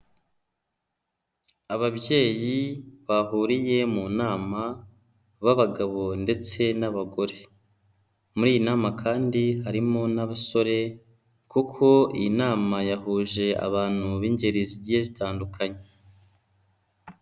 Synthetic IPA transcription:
aβabje̞ːjiβahuːɾije̞munaːma | βaβaɡaβo̞nde̞t͡se̞naβaɡo̞ɾe̞ | muɾiːjinaːmakʰaːndiɦaɾimo̞naβaso̞ɾe̞ | kukʰo̞ḭnaːmajahuːʒe̞a̰βaːn̥huβiɲɟe̞ɾiziɟijezitaːndukʰaɲe

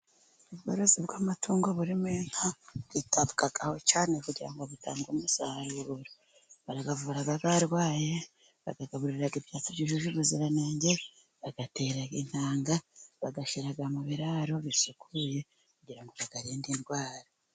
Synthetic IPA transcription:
uβɡoɾozibɡaːmatʰuːŋɡo̞βuɾimeːŋ̥aβ̥itaβukaɡaho̞t͡ʃaːne̞kuɟiɾaŋɡoβuta̰ːŋɡomusahaɾuɾuɾa | βaɾaɡavuːɾaβaβaɾɡwaːje | βa̰ɡaɡaβuɾɾiɾaɡibjaːt͡siɟiʒuʒuβuziɾanaːɲɟe | βaɡate̞ɾaɡin̥haːŋɡaβaɡaʃiɾaɡamaβiɾaɾo̞βisukʰuje̞ | kuɟiɾaŋɡo̞βaɡaɾiːndinɡwaːɾa

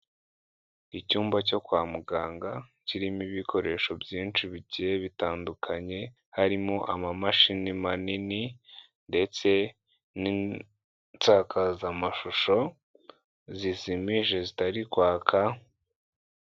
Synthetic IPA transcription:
icuːmbaco̞kwaːmuɡaːŋɡaciɾimiβikʰo̞ɾe̞ːʃo̞bjiːnt͡ʃiβiɟijeβitaːndukʰaɲe̞ | haɾimo̞ʔamamaʃinimanini | nde̞t͡se̞ | ni | t͡saːkʰazamaʃuʃo̞ | zisimiʒe̞zitaɾikwaːkʰa

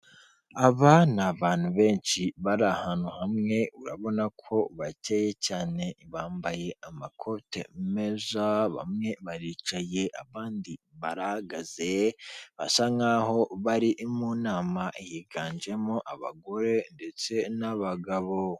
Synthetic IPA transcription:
aβanaβaːn̥huβe̞ːnʃiβaɾahanuhamŋe̞uɾa̰βo̞nakʰo̞βateje̞caːne̞βaːmbaje̞ʔamakʰo̞tḛmezaβa̰mŋe̞βaɾiːt͡ʃaje̞ʔaβaːndi | βaɾahaɡaze̞βa̰saŋaɦo̞βaɾiʔmuːnaːmaʔijiɡaːnd͡ʒe̞moʔaβa̰ɡo̞ɾe̞nde̞t͡se̞naβaɡaβo̞

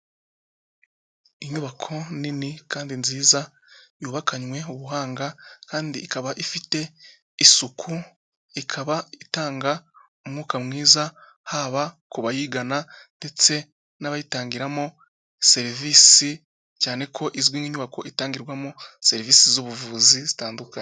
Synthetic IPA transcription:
iɲuβakʰo̞ninikaːndinziːza | juːβakʰaɲwe̞uβuɦaːŋɡakaːndiːkaβaʔifite̞ | isukʰu | ikʰaβaitaːŋɡa | umŋuːkamŋiːzahaβa | kuβajiːɡanande̞t͡se̞ | naβajitaːŋɡiɾamo | se̞ɾiviːsi | caːne̞kʰo̞ʔiziɡwiːŋiɲuβako̞ʔitaːŋɡiɾɡwamose̞ɾiviːsizuβuvuːzizitaːndukaɲ

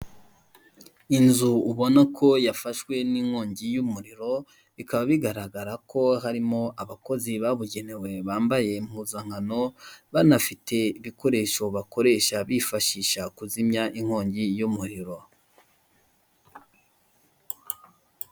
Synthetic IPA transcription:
inzuːβo̞nakʰo̞jafaʃwe̞niŋ̥hoːɲɟijumuɾiɾo̞ | βikaβaβiɡaɾaɡaɾakʰo̞ɦaɾimo̞ʔaβako̞ziβaβuɟe̞ne̞we̞βaːmbaje̞mhuzaŋhano̞βanafitʰe̞iβiko̞ɾe̞ːʃo̞βako̞ɾe̞ːʃaβifaʃiʃakuzimɲaʔiŋ̥ho̞ːɲɟijumuɾiɾo̞

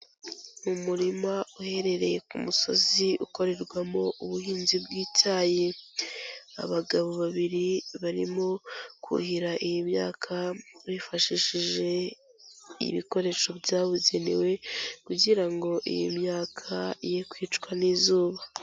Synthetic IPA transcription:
umuɾimauhe̞ɾe̞ɾe̞je̞kumuso̞̰ziʔuko̞ɾe̞ɾɡwamo̞ʔuβuhiːnzibɡiːtʰaːje̞ | a̰βaɡaβo̞βaβiɾiβaɾḭmo̞kʰṵhiɾaʔijimɲaːkʰaβifaʃiʃiʒe̞ | ḭβiko̞ɾe̞ːʃo̞bjaːβuɟe̞nḛwekuɟiɾaŋɡo̞ʔḭjḭmɲaːkʰaijekwiːt͡ʃkwanizuːβa

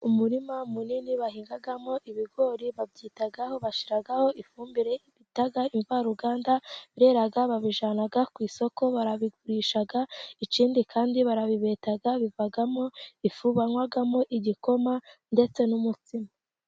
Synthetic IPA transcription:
umuɾimamuniniβahiːŋɡaɡamo̞ʔiβiɡo̞ːɾiβabɟiːtaɡaho̞βaʃiɾaɡaho̞ʔifuːmbiɾeβitaɡaiɱvaɾuɡaːndaβiɾe̞ɾaɡaβaβiʒanaɡakwiːso̞ko̞βaɾaβiɡuɾiːʃaɡait͡ʃiːndikʰaːndiβaɾaβiβe̞ːtaɡaβivaɡamo̞ifuβanwaɡamo̞ʔiɟiko̞mande̞t͡se̞numut͡sima

